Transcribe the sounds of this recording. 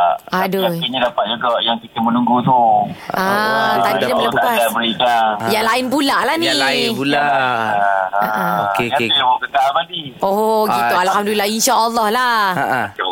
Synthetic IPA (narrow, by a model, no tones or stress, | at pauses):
ʔaduaiɲadapat̪̚d͡ʒuɡɔʔjaŋkit̪əmənuŋɡut̪uat̪adidapələpaabəɾikaŋjaŋlaɪnbulaʔlahnĩbula | aʔaokeaibokək̪almadioɦoɡit̪ualhamdulilahinʃaʔəlːɔhlaa